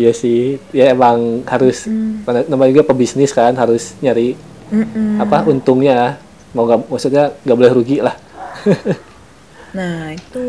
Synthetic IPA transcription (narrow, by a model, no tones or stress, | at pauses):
jasɪhjaemaŋhaɾʊskananamad͡ʒuɡapəbisnɪskanɦaɾʊsɲaɾi | apaunt̪ʊŋɲa | mauŋɡamasut̪̚ɲaŋɡabolɛhɾuɡiʔlah | nait̪u